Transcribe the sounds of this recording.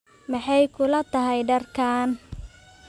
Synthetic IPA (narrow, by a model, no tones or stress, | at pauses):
mɑħɑjkʰʊlɐt̪ʰɐɦɛjɖɐrkʰaːn